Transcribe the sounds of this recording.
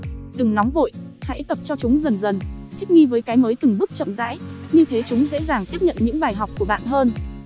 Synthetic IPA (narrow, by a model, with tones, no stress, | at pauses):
ɗ̪ɨ˨˩ŋnɔ˨˦wŋ͡mvo̰˧˨jha̰˧˥jt̪ə˨˩p̚t͡ɕɔ˧t͡ɕʊ˨˦ŋ͡mzə˨˩nzə˨˩nt̪ʰi˦˥k̟̚ŋi˧vəː˨˦jkaː˨˦jməː˨˦jt̪ɨ˨˩ŋɓɨ˦˥k̚t͡ɕə̰˧˨mza̰ː˧˥jɲɨ˧t̪ʰe˨˦t͡ɕʊ˨˦ŋ͡mzḛ˧˥zaː˨˩ŋt̪i˦˥p̚ɲə̰˧˨nɲɨ̰˧˥ŋɓaː˨˩jɦa˨˩wk͡p̚ku˧˩əɓa̰ː˧˨nɦəː˧n